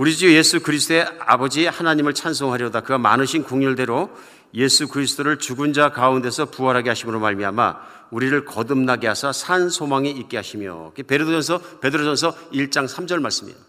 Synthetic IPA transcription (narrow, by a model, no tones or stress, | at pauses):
uɾid͡ʑuje̞sʰukɯɾis̬ʰt͈oe̞a̰bʌd͡ʑihanaɲimɯɭt͡ɕʰansʰoŋɦaɾjʌdakɯɡama̰nɯɕʰinkoŋɲuɭde̞ɾo | je̞sʰukɯɾisʰɯ̥t͈oɾɯɭt͡ɕuɡund͡ʑakaunde̞sʰʌpuʌɾɦaɡeɦaɕʰimɯɾomaɭmiama̰ | uɾiɾɯɭkʌdɯmnaɡeɦasʰasʰansʰomaŋiik̚k͈eɦaɕʰimjo̰kepe̞ɾɯdod͡ʑʌnsʰʌpe̞dɯɾosʰʌns̬ʰʌiɭt͡ɕ͈aŋsʰamd͡ʑʌɭmaɭs͈ɯmɲḭda